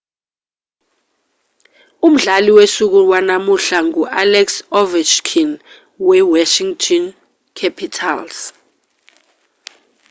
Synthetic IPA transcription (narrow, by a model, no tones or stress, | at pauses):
um̩ɮaliwesuk̬uwanamuɬaŋuʔalɛksɔvɛt͡ʃkʰin | wɛwaʃiŋtʰɔn | kʰapʰitʰa̰ls